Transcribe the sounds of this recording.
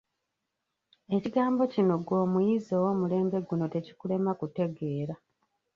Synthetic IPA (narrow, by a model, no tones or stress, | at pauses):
e̞ciɡaːmbo̞cino̞ɡwo̞ːmujizo̞ːwo̞ːmule̞ːmbe̞ɡuno̞te̞ci̥kule̞makute̞ɡe̞ːɾa